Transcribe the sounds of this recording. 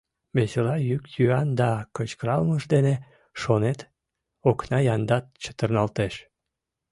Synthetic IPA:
βeselɑjykjyɑnd̪ɑkət͡ɕkəɾɑlməʃd̪ene | ʃonet̪ | oknɑjɑnd̪ɑt̪̚t͡ɕə̥t̪ərnɑlt̪eʃ

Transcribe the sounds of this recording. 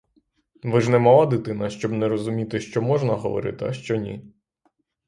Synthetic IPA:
ʋɪʒnɛmɔʋˠad̪ɪt̪ɪnɐʃt͡ʃɔbnɛɾɔzʊmʲit̪ɪʃt͡ʃɔmɔʒnɐɦɔ̰ʋɔ̰ɾɪ̰t̪ɪɐ̰ʃt͡ʃɔnʲḭ

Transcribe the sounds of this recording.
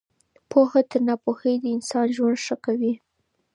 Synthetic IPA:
pʰoxat̪əɾnɑpoxəjd̪əɪnsɑnʒwand̪ʂəkawi

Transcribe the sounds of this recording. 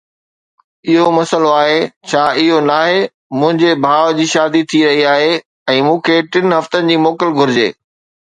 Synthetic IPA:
ɪɦomɐsəloaːɦet͡ɕʰaːɪɦonaːɦe | mʊ̃ɦɪ̃ɲd͡ʑebʱaːʋd͡ʑiːʃaːd̪it̪ʰiɾɐɦiaːɦe | ɛ̃ːmũːkʰeʈɪnɦɐft̪ənɪ̆d͡ʑiːmoːkəlɡʱʊɾɪd͡ʑḛː

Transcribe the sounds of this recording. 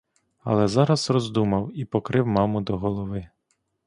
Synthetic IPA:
ɐ̰lˠɛzɑɾɐzrɔzd̪umɐwipɔkɾɪwmɑmʊd̪ɔɦɔlˠɔʋɪ

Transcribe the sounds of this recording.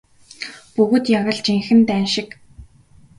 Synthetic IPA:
pɵɣɵ̆t̪jaɣə̆ɮt͡ɕiŋxɘ̆nt̪æːnʃɪ̆k

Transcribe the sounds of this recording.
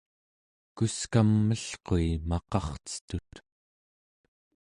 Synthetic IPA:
kuskamːəɬqoimɑqɑχt͡sə̥t̪ut̪

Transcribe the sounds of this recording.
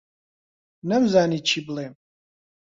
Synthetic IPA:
nɨmzaːnit͡ʃʰible

